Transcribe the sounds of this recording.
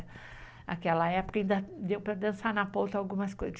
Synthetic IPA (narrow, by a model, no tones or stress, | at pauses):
ɐ̰kɛlɐɛpo̥kɐĩnd̪ɐd̪ewpɾɐd̪ɐ̃sanɐpõwt̪ɐawɡũmɐskojzɐ